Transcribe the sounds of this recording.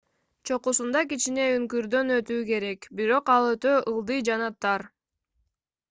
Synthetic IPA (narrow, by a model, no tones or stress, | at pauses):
t͡ʃʰo̞qusund̪ɑkit͡ʃine̞yŋkyɾd̪ø̞nø̞t̪yːke̞ɾe̞kbiɾo̞qɑlˠøt̪øʔɯlˠd̪ɯjd͡ʒɑnɑt̪ʰɑɾ